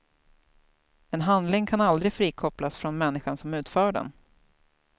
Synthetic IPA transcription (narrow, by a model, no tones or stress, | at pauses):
ɛnɦand̪lɪŋkʰanald̪ɾɪfɾiːkʰɔplasfɾɔnmɛnːɪɧansɔmʉ̟ːt̪fœːɖɛ̰n